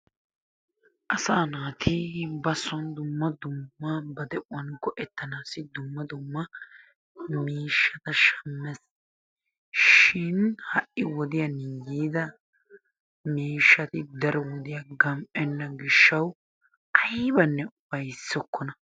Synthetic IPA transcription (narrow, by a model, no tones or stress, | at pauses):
ʔɐsaːnaːt̪ʰɪbɐsːɔnd̪ʊmːɐd̪ʊmːɐbɐd̪ɛʔʊwɐnɡɔʔɛt̪ːɐnaːsɪd̪ʊmːɐd̪ʊmːɐ | miːʃːɐt̪ɐʃɐmːɛs | ʃɪnhɐʔːɪwɔd̪ɪjɐnɪjiːd̪ɐ | miːʃːɐt̪ɪd̪ɐɾɔwɔd̪ɪjɐɡɐmʔʼɛnːɐɡɪʃːɐw | ʔɐjbɐnːɛʊbɐjsːɔkːɔnɐ